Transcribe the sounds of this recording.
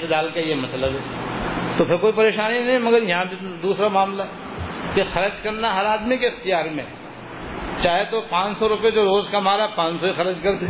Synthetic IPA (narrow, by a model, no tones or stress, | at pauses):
t̪ɪd̪aːlkajemɐsləbɦɛːt̪opʰɪɾkoːipɐɾeːʃaːninɐɦĩmɐɡəɾjɐɦãped̪uːsɾamaːmlaɛ | kexɐɾd͡ʒkɐɾnaɦɐɾaːd̪mikeːxt̪ijaːɾmḛ̃ | t͡ʃaːɦet̪opãːt͡ʃsɔɾʊped͡ʒoːɾoːzkɐmaːɾaɛpãːt͡ʃsoixɐɾd͡ʒkɐɾt̪e